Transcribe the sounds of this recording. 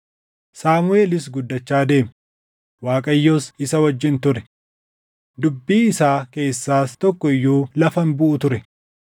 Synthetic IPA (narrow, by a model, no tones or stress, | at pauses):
saːmʊe̞ːlɪs̬ɡʊd̪ːɐt͡ʃːaːd̪e̞ːm | waːkʼɐjːoːsɪsɐwɐd͡ʒːɪnt̪ʊɾɛ̥ | d̪ʊbːiːɪsaːke̞ːsːaːst̪ɔkːɔɪjːuːlɐfɐnbʊʔʊt̪ʊɾɛ